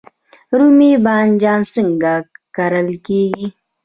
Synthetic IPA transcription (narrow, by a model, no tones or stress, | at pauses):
ɾumibaːnd͡ʒaːnsiŋɡakɐɾəlkeːɡi